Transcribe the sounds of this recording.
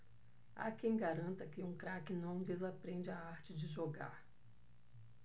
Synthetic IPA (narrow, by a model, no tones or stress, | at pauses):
a̰kẽj̃ɡaɾɐ̃nt̪ɐkɪũkɾakɪnɐ̃w̃d̪ezapɾẽd͡ʒɪaaɾt͡ʃɪd͡ʒɪʒoɡa̰ɾ